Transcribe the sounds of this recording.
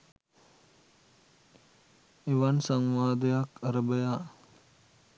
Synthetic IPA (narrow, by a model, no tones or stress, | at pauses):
eʋansaŋʋaːd̪ejakaɾəbəja